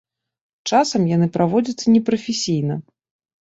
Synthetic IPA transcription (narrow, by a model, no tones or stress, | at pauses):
t͡ʂasɐmjanɨpɾʔavɔd͡zʲɐt̪sːɐnʲɛpɾɐfʲesʲijn̪ɐ